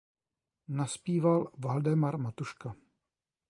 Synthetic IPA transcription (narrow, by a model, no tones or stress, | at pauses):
naspiːvalvaldɛmaɾmat̪uʃka